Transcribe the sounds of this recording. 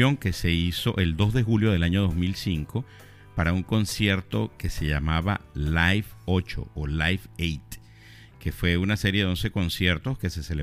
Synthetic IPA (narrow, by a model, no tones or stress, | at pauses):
o̞ŋke̞se̞iso̞ʔe̞ld̪o̞zðexuljo̞ð̞e̞laɲo̞ðo̞zmilsiŋkʰo̞ | paɾauŋko̞nsje̞ɾt̪o̞ke̞se̞ʝamaβa̰lajfot͡ʃo̞̰olajfejt̪ | ke̞fwe̞unase̞ɾjeðe̞o̞nse̞ko̞nsje̞ɾt̪o̞ske̞se̞sele